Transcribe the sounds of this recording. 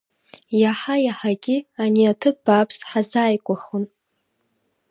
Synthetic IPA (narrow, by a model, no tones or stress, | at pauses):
jaħajaħaɡʲianiatʰɨb̥apʰsħazaːjkʷʼaχon